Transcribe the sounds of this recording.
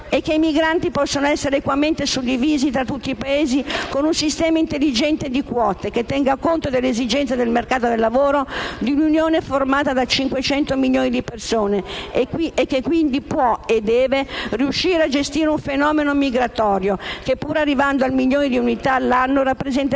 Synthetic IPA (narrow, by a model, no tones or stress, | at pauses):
ekːeimiɡɾant̪ipɔsːonoɛsːeɾeːkwament̪esud̪ːiviːzit̪ɾat̪ːut̪ːiːpaeːzikonunsist̪ɛːmaint̪elːid͡ʒɛnt̪ed̪ikwɔːt̪eket̪ːɛŋɡakont̪od̪elːezid͡ʒɛnt̪sed̪elmerkaːt̪od̪elːavoːɾod̪iununjoːneformaːt̪ad̪at͡ʃiŋkwet͡ʃɛnt̪omiʎjoːnid̪ipersoːneiekːekːwind̪ipwɔed̪ːɛːveriuʃːiːɾead͡ʒest̪iːɾeuɱfenɔːmenomiɡɾat̪ɔːɾjokepːuːɾarːivand̪oalmiʎjoːnid̪iunit̪aːlːanːorapːɾezɛnt̪